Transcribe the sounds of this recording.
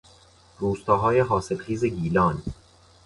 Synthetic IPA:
ruːst̪ɒːɦɒːjeɦɒːselxiːzeɡiːlɒːn

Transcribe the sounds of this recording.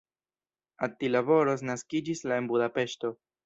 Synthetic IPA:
at̪ilaβo̞ɾo̞s̬naskid͡ʒislae̞nbudape̞ʃto̞

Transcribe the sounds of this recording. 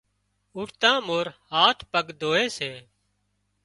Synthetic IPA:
ʊɾt̪ãːmoːɾhaːʈʰpəɡd̪ʱoːeːseː

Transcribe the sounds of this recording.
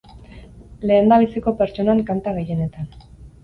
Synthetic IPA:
le̞ːnd̪aβisiko̞pe̞ɾt͡ʃo̞naŋkant̪aɣe̞je̞ne̞t̪an

